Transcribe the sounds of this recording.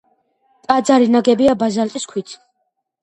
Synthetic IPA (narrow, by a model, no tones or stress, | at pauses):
t̪ʼad̪zaɾinaɡɛbiabazalt̪ʼiskʰwit̪ʰ